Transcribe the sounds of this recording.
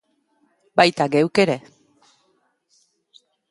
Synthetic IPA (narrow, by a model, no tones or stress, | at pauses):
bajt̪aɡewkeɾe̞